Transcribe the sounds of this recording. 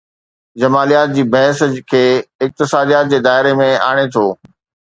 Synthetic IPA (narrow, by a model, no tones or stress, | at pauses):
d͡ʑɐmaːlijaːt̪̚d͡ʑiːbɐɦskʰeːɪk̚t̪ɪsaːd̪ijaːt̪̚d͡ʑeːd̪aːɦɪɾemẽa̰ːɽ̃et̪ʰoː